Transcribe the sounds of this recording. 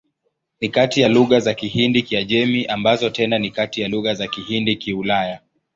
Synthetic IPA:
nikatijaluɣazakihindikiaʄɛmiʔambazɔtɛnanikatijaluɣazakihindikiulaja

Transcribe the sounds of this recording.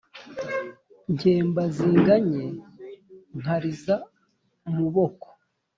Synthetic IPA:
ɲceːmbaziːŋɡaɲe | ŋ̥haɾiza | muβoko̥

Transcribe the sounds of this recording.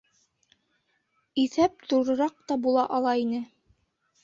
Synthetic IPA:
iθæp̚t̪uɾɤ̆ɾɑq̚t̪ɑbulˠɑʔɑlˠɑinɘ

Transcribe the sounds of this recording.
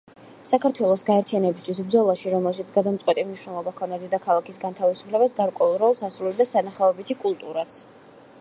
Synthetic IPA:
sakʰaɾt̪ʰwɛlˠɔsɡaɛɾt̪ʰianɛbist̪ʰwisbd̪zɔlˠaʃiɾɔmɛlˠʃit̪sʰɡad̪amt̪sʼqʼwɛt̪ʼimniʃnɛlˠɔbakʰɔnd̪ad̪ɛd̪akʰalˠakʰisɡant̪ʰavisu̥pʰlɛbasɡaɾkʼwɛulˠɾɔlˠsasɾulid̪asanaχaɔbit̪ʰikʼulˠt̪ʼuɾat̪sʰ

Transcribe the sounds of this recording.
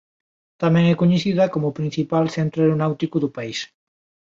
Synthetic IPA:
t̪amɛ̃ŋɛkoɲeθiðɐkomʊpɾĩn̟θipalθent̪ɾʊeɾonawt̪ikʊðʊpais

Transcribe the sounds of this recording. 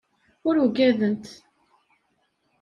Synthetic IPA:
ʊɾuɡæðənt̪

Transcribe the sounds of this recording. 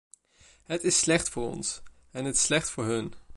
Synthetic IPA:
ɦətɪsːlɛχtfʊːɹɔ̰ns | ɛnətɪ̥slɛχtfʊːɹɦɵn

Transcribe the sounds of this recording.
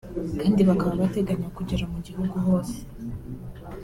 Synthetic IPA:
kaːndiβakaβaβate̞ɡaɲakuɟeɾamuɟihuɡuɦo̞ːse

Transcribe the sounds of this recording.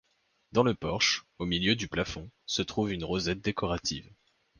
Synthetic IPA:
d̪ɑ̃ləpɔʁʃomiljød̪yplafɔ̃sət̪χuvynʁozɛt̪̚d̪ekɔʁat̪ʰḭv

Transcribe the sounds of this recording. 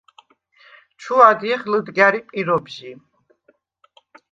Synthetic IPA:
t͡ʃʰuad̪iχləd̪ɡaɾipʼiɾɔbʒi

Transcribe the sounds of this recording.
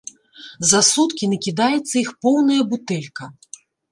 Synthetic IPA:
zasut̪kʲinɐkʲid̪ajɛt̪sːɐixpɔwnɐjɐbut̪ɛlʲkɐ

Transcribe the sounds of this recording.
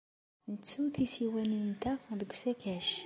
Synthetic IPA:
nət͡sːuθisiwænint̪æfd̪əɡʷsækæʃ

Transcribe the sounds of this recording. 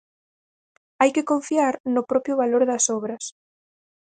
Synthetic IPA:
ajkɪkoɱfiaɾnʊpɾɔpɾjʊβaloɾðɐsɔβɾɐs

